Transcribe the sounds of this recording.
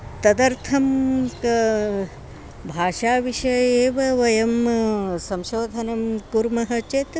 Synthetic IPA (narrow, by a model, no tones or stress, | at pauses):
t̪ɐd̪ɐɾt̪ʰɐmk | bʱaːʃaːʋiʃɐeːʋɐʋɐjɐmsɐmʃoːd̪ʱɐnɐmpuɾmɐɦɐt͡ʃet̪